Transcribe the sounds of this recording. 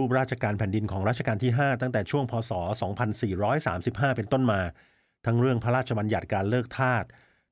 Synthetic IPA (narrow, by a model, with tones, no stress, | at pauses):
uː˥˩p̚ɾaː˥˩t̪̚t͡ɕʰa˧kaː˧npʰɛː˩˦ndi˧nkʰɔː˩˦ŋɾaː˥˩t͡ɕʰa˧kaː˧nt̪ʰiː˥˩ɦaː˥˩t̪a˥˩ŋt̪ɛː˨˩t͡ɕʰu˥˩əŋpʰɔː˧sɔː˩˦sɔː˩˦ŋpʰa˧nsiː˨˩ɾɔː˦˥jsa̰ː˩˦msi˨˩p̚ɦaː˥˩pe˧nt̪o˥˩nmaː˧ | a˦˥ŋɾɯ˥˩əŋpʰa˦˧ɾaː˥˩t̪̚t͡ɕʰa˧ba˧nja˨˩t̪̚kaː˧nlɤː˥˩k̚t̪ʰaː˥˩t̪̚